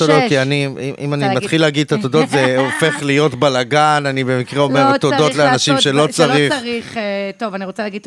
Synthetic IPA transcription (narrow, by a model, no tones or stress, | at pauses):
t̪odotkianiḭʔḭmanimat̪χileaɡid̪̚t̪at̪odo̞t̪zeofe̞χlijo̞tbalaɡananibe̞mikʁeo̞meʁt̪od̪o̞t̪leanaʃimʃe̞lo̞t͡saʁiχʁχt̪ovaniʁot͡selaɡid